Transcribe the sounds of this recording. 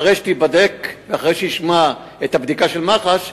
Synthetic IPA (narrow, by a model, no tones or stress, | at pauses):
ʁejʃe̥t̪ibad̪ekveaχʁejʃejiʃma | et̪habd̪ikaʃelmaχaʃ